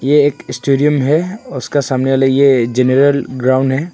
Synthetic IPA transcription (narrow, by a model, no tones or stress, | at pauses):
jeeːkɪsʈeːɖijəmɦɛʊskasaːmneaːlajed͡ʒenəɾəlɡɾaːʊ̃ɳɖɦɛː